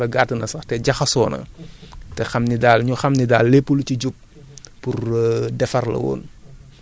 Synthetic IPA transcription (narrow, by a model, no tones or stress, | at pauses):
ɐɡatənɐsɐxtɛɟɐxɐsɔːnɐ̰tɛxɐmnidaːlɲuxɐmnidaːlːepːulucuɟuk̚ | purdɛfɐrlɐ̰wɔ̰ːn